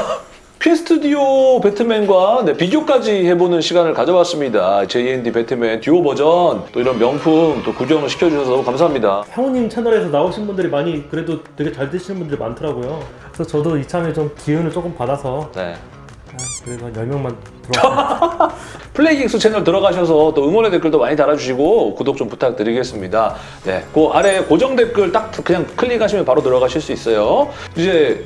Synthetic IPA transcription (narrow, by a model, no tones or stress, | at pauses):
pʰesʰɯ̥tʰɯdiope̞tʰɯme̞nɡwane̞piɡjok͈ad͡ʑihe̞bonɯnɕʰiɡanɯɭkad͡ʑʌbwas͈ɯmɲidat͡ɕeiendipe̞tʰɯme̞ntuobʌd͡ʑʌnt͈oiɾʌnmjʌŋpʰunt͈okuɡjʌŋɯɭɕʰi̥kʰjʌd͡ʑuɕʰʌsʰʌnʌmukams̬ʰaɦamɲidahʰjaŋoɲimt͡ɕʰenʌɾe̞sʰʌnaoɕʰinbundɯɾimaɲikɯɾe̞dotweɡe̞t͡ɕaɭt͈ɯɕʰinɯnbundɯɾimantʰɯɾaɡojo | sʰʌt͡ɕʌdoit͡ɕʰamet͡ɕomkiɯnɯɭt͡ɕ͈ok͈ɯmpadasʰʌne̞̰ | akɯɾesʰʌjʌɭmjʌŋman | tɯɾʌɡ | pʰɯɭːeik̚s͈ut͡ɕʰenɯɭtɯɾʌɡaɕ̬ʰʌs̬ʰʌt͈oɯŋwʌnede̞k͈ɯɭdomaɲitaɾad͡ʑuɕʰiɡokudok̚t͡ɕomputʰak̚t͈ɯɾiɡe̞s͈ɯmɲida | ne̞̰koaɾe̞kod͡ʑʌŋde̞k͈ɯɭt͈ak̚kɯɲaŋkʰɯʎːiɡaɕʰimjʌnpaɾotɯɾʌɣaɕʰiɭs͈uis͈ʌjoid͡ʑe̞